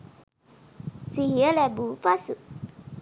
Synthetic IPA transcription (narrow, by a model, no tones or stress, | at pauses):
siɦiəlɛbupasu